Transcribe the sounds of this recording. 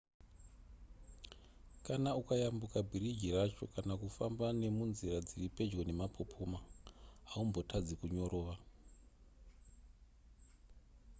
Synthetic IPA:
kanaukajambukabʱiɾid͡ʒirat͡ʃo̞̰kanakufambane̞munzirad͡ziripe̞d͡ʒɡo̞ne̞mapʰo̞pʰomaɦaumbo̞tʰad͡zikuɲo̞ɾʔo̞ːʋa

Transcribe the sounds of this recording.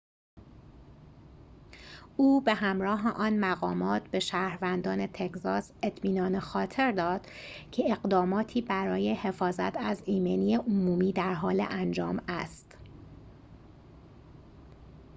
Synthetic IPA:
uːbe̞ɦæmɾɒːɦeʔɒːnmæɣɒːmɒːt̪ʰbe̞ʃæːɾvænd̪ɒːnet̪ʰekzɒːse̞t̪ʰmiːnɒːnexɒːt̪ʰe̞ɾd̪ɒːd̪̥ | cʰe̞eɣd̪ɒːmɒːt̪ʰiːbæɾɒːjehe̞fɒːzæt̪ʰæziːmeniːeʔomuːmiːd̪æɾɦɒːlḛʔænd͡ʒɒːmæst̪

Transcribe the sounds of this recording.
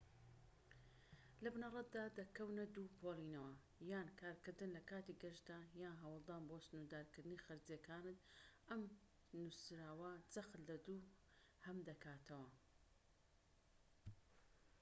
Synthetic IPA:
lɐbnɐrˤɐt̪̚d̪aːd̪ɐkɐwnɐd̪uːpʰolˠinɐwɐ | jaːnkʰaːɾkɨɾd̪ɨnlɐkaːt̪iɡɐʃd̪aːjaːnɦɐwɨlˠd̪aːnboːsɨnud̪aːɾkɨɾd̪ɨnixɐɾzjekaːnɨt̪ɐm | nusɾaːwɐd͡zɐxlːɐd̪uː | hɐmd̪ɐkʰaːt̪ʰɐwɐ

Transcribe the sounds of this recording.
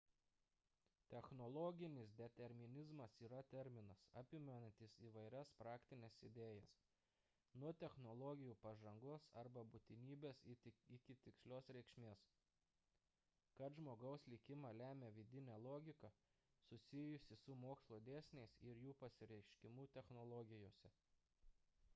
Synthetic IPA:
t̪ʲɛxnɔlˠoːɡʲɪnʲɪsd̪ʲɛt̪ʲɛɾʲmʲɪnʲɪzmɐsiːɾɐt̪ʲɛɾʲmʲɪnɐsɐ̰pʲɪmʲɛnɐnʲt̪ʲɪsiːʋɐɪɾʲɛspɾɑːkt̪ʲɪnʲeːsɪd̪ʲeːjɛs | nʊɔt̪ʲɛxnɔlˠɔːɡʲɪjuːpɐʒɐŋɡoːsɐɾbɐbʊt̪ʲɪnʲiːbʲeːsɪkʲɪt̪ʲɪksʲlʲoːsɾʲɛɪkʃʲmʲeːs | kɐt̪ʒmoːɡɐʊslʲɪkʲɪmɑːlʲæːmʲeːʋʲɪd̪ʲɪnʲɛːlˠoːɡʲɪkɐ | sʊsʲɪjʊsʲɪsʊmoːkslˠoːd̪ʲæːsʲnʲɛɪsɪɾjuːpɐsʲɪɾʲɛɪʃʲkʲɪmuːt̪ʲɛxnɔlˠɔɡʲɪjoːsʲɛ

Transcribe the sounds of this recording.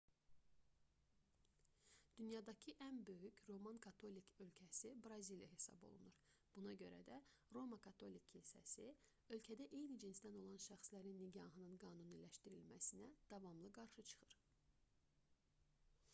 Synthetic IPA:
d̪̥ynjɑd̪ɑcʰɯʔænbø̞jycɾo̞mɑnkʰɑt̪ʰo̞likʰø̞lcʰæsibɾɑzilijɑ̰ɦe̞sɑ̰bo̞̰lˠṵnuɾ | b̥unɑɟø̞ɾæ̰d̪æ | ɾo̞mɑkʰɑt̪ʰo̞lʲikʰːilsæ̰si | ø̞lcʰæd̪æʔe̞jnid͡ʒinsd̪æno̞lˠɑnʃæxslæɾinːiɟɑɦɯnɯnɡɑːnunilæʃt̪iɾilmæsinæd̪̥ɑvɑmlˠɯɡɑɾʃɯt͡ʃʰɯ̥χɯɾ

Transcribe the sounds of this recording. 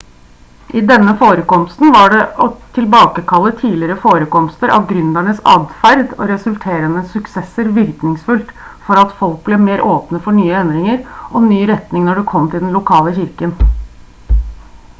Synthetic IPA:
ʔɪd̪ɛnːəfoːɾəkɔmst̪n̩ʋɑɖɛʔɔt̪ʰɪlbɑːkəkʰɑlːət̪ʰiːlɪɾəfoːɾəkɔmst̪əɾʔɑ̰ʋɡɾʉnd̪æɳəsɑ̰ːd̪fæɾd̪ɔ̰ɾɛsʉlt̪ʰeːɾənəsʉksɛsəɾʋɪɾknɪŋsfʉlt̪fɔɾɑt̪fɔlk̚blɛmeːɾoːpnəfɔɳyːəɛnd̪ɾɪŋəɾɔnyːɾɛt̪nɪŋnɔɖɛkʰɔmt̪ʰɪld̪ɛnlʊkʰɑːləçɪɾkən

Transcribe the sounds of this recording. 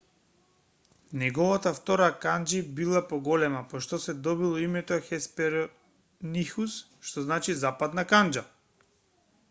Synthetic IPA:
nɛɡɔvat̪aft̪ɔɾakand͡ʒibilˠapɔɡɔlɛmapɔʃt̪ɔsɛd̪ɔbilˠɔimɛt̪ɔxɛspɛɾɔ | nixus | ʃt̪ɔznat͡ʃizapad̪nakand͡ʒa

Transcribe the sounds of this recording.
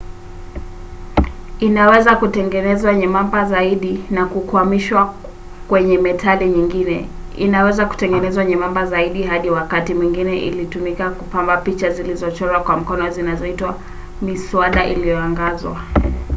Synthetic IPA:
inawɛzakutɛŋɡɛnɛzwaɲɛmambazaiɗinakukuamiʃwa | kwɛɲɛmɛtaliɲiŋɡinɛḭnawɛzaku̥tɛŋɡɛnɛzwaɲɛmambazaiɗiɦaɗiwakatimwiŋɡinɛʔḭlitumikakupambapit͡ʃazilizɔt͡ʃɔlwakwam̩kɔnɔzinazɔitwa | misuaɗaʔḭlijɔaŋɡazwa̰

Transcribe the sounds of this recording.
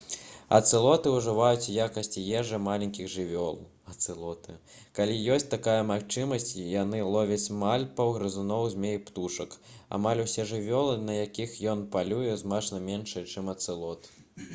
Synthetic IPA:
ɐ̰t̪sɨlˠɔt̪ɨuʐɨvajut͡sʲujakɐsʲt͡sʲijɛʐɨmalʲenʲkʲiɣʐɨvʲɔlˠ | ɐt̪sɨlˠɔt̪ɨ | kalʲijɔsʲt͡sʲt̪akajɐmaxt͡ʂɨmɐsʲt͡sʲjanɨlˠɔvʲɐt͡sʲmalʲpɐwɣɾɨzunɔwzʲmʲejpt̪uʂɐka̰malʲusʲɛʐɨvʲɔlˠɨnɐjakʲixjɔnpalʲujɛzmat͡ʂnɐmʲenʂɐjɛt͡ʂɨmɐt̪sɨlˠɔt̪

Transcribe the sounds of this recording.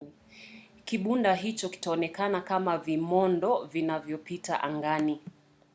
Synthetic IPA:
kiɓundaɦit͡ʃɔki̥taɔnɛkanakamavimɔndɔvinavjɔpita̰ʔaŋɡani

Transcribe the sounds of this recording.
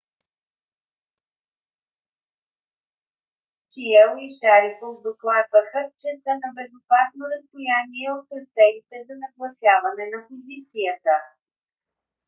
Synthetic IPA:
t͡ʃiɛlˠoiʃaɾikofd̪oklˠad̪vəxət͡ʃɛsənɐbɛzopasnod̪əst̪ojaniɛot̪ɾɐst̪ɛnit̪ɛzɐnɐɡlˠɐsjavɐnɛnɐpozit̪sijət̪ə

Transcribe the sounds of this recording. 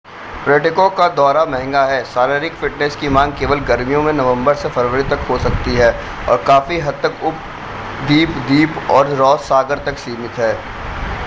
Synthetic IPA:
pɾeːʈɪkõkad̪ɔːɾamɛ̃ɦɛ̃ŋɡaɦɛːsaːɾeɾɪkfɪʈnɛskimãːŋɡ̚keːʋəlɡɐɾmijõmẽnɐʋə̃mbəɾsefɐɾʋəɾit̪ɐkɦosɐkt̪iɦɛː | ɔ̰ːɾkaːfiɦɐd̪̚t̪ɐkʊp̚ | d̪iːpd̪iːpɔːɾɾɔːsaːɡəɾt̪ɐksiːmɪt̪ɦɛː

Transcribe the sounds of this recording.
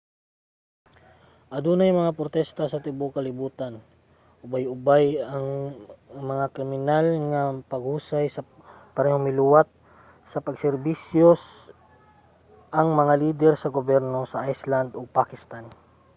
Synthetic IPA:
ʔɐd̪uːnɐjmɐŋapɾot̪ɛst̪asɐt̪ɪbokɐlɪbuːt̪an | ʔʊbajʊbajɐŋ | mɐŋakɾɪmɪnalŋapɐɡ̚huːsajsɐ | pɐɾɛhoŋmɪluwat̪̚ | sɐpɐɡsɛɾbisjos | ʔɐŋmɐŋaliːd̪ɛɾsɐɡobjɛɾno̞sɐʔajsland̪oɡ̚pakɪst̪an

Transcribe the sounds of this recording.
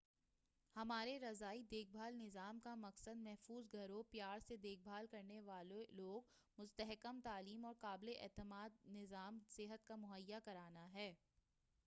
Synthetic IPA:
hɐmaːɾeɾɐzaːid̪eːk̚bʱaːlnɪzaːmkamɐqsəd̪mɛɦfuːzɡʱɐɾõpjaːɾsed̪eːk̚bʱaːlkɐɾneʋaːleloːɡ̚ | mʊst̪əɦɪkəmt̪aːliːmɔːɾkaːbleʔɛːt̪əmaːd̪̚nɪzaːmsɪɦət̪kamʊɦəjːakɐɾaːnaɦɛː

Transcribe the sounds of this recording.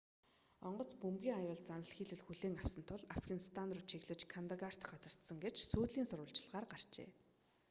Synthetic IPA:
ɔɴɢɞ̆t͡spumʲiːŋajʊːɮt͡sanə̆ɮxiːɮɘ̆ɮxuɮeːŋaw̥sə̆nt̪ʰʊɮafɡanist̪ʰanrʊt͡ɕʰiɣɮɘ̆t͡ɕkʰant̪aɣar̥t̪ɢat͡sə̆r̥t̪sə̆ŋɡet͡ɕsuːt̪ɮiːnsʊrwə̆ɬt͡ɕɪ̆ɮʁaːrɢar̥t͡ɕḛː

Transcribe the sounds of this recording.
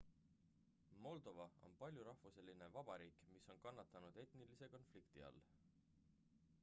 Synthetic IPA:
mo̞ld̪̥o̞vɑo̞̰npɑlʲjuɾɑhvuselʲːine̞vɑb̥ɑɾiːkmiso̞nkɑnːɑt̪ːˑɑnud̪̥e̞t̪nilise̞ko̞nflikt̪iɑ̰lː

